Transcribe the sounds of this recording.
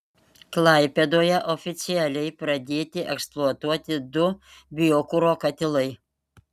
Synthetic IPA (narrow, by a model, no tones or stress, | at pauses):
klˠɑɪpʲɛd̪oːjɛʔɔfʲɪt̪sʲɪjælʲɛɪpɾɐd̪ʲeːt̪ʲɪʔɛ̰ksplˠuɔt̪uɔt̪ʲɪd̪ʊbʲɪjoːkʊɾoːkɐt̪ʲɪlˠɐɪ